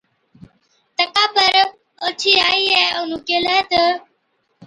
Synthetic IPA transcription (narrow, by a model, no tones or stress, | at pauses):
t̪əkaːpəɾ | ʊt͡ʃʰiːaːiːɦɛːʊn̤ũːkeːləːt̪ə